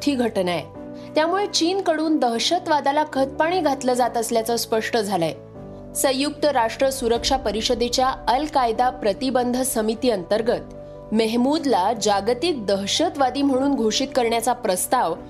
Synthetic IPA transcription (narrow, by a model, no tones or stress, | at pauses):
t̪ʰiːɡʱəʈnajḛ | t̪jamuɭet͡ɕiːnkəɽuːnd̪əɦɕət̪ʋad̪alakʰət̪̚paɳ̃iːɡʱat̪ləd͡zat̪əsljat͡səspəʂʈəd͡zʱalaj | sə̃juk̚t̪əɾaʂʈɾəsuɾəkʂapəɾiɕəd̪et͡ɕjaəlkajd̪apɾət̪ibənd̪ʱəsəmit̪iːənt̪əɾɡət̪ | məɦmud̪lad͡ʑaɡt̪iːk̚d̪əɦɕət̪ʋad̪iːm̤əɽ̃uːnɡʱoʂiːt̪kəɾɳjat͡sapɾəst̪aʋ